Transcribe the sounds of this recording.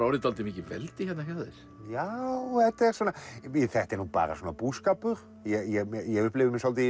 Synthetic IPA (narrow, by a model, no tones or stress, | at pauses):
ɾaːwɾɪt̪alt̪ɪmicɪvɛ̰lt̪ɪçɛt̪nahaðɛɾ̥ | jawhɛt̪ːɛɾ̥sɔːnːaiθɛht̪ɛɾnuːpa̰ːɾa̰sɔːnapuːðskaːpʏɾ̥ | jɛjɛɛjɛɣʏhplɪvɪmɪsɔlt̪ɪ